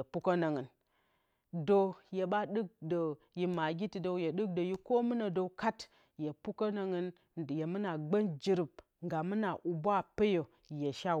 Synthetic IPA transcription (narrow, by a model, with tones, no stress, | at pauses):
e˨pu˦ko˦na˨ŋɨ˨n | do˦je˨ba˦ɗɨ˦k̚do˨ | ji˨ma˨ɡʲi˦ti˨do˨wje˨ɗɨ˦k̚do˨ji˦ko˦mɨ˦na˨do˨wka˦t | je˨pu˦ko˦na˨ŋɨ˨n˨ | je˨mɨ˦na˨ɡ͡bə˦nd͡ʒi˨ɾi˨b̚ | ŋɡa˨mɨ˦na˨ʔu˨bʷa˦pe˦jo˨ | je˨ʃa˦